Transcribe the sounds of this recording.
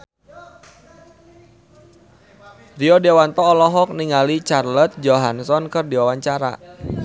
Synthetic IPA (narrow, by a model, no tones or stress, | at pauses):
riɔdeawant̪ɔːlɔɦɔk̚niŋalit͡ʃarlət̪̚d͡ʒoɦansɔnkərdiwawaɲt͡ʃaɾa̰